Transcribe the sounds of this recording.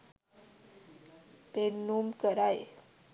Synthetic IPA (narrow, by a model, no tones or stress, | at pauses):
t̪enːumkəɾaj